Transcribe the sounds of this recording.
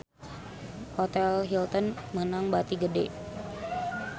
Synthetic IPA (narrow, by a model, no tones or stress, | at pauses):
hɔt̪ɛlɦilt̪ənmənaŋbat̪iɡədḛ